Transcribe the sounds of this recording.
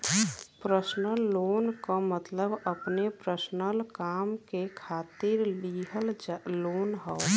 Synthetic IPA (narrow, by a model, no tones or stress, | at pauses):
pɾəsnəlːoːnkomət̪ləbəpnepɾəsnəlkaːmkekʰaːt̪iɾiɦəllonɦə